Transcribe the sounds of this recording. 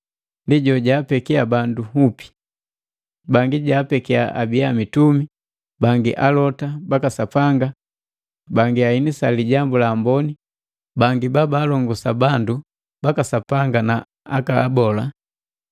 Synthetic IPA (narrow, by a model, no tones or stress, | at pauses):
ndiɟɔɟaːpɛkiabanduɦupi̥ | baŋɡiɟaːpɛkiaʔabiamitumi | baŋɡiʔalɔtabakasapaŋɡa | baŋɡiainisaliɟambulaːmbɔni | baŋɡibabaːlɔŋɡɔsabandu | b̥akasapaŋɡana | akaːbɔla